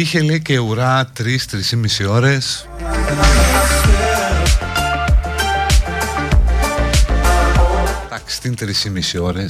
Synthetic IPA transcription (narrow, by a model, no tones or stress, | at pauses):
içeliceuɾɐt̪ɾist̪ɾisimisio̞ɾes | t̪ɐkst̪int̪ɾisimisio̞ɾes